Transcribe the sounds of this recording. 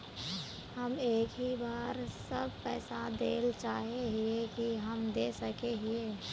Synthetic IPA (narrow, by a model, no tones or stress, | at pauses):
hɐmeːkɦibaːɾsəb̚pɛːsad̪eːlt͡ʃaːɦeɦiekiɦɐmd̪eːsɐkeɦieː